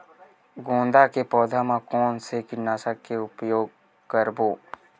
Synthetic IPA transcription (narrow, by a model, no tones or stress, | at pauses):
ɡõːnd̪akepɔːd̪ʱamãkɔːnsekɪnaːsakːeʊpjoːɡ̚ | kəɾboː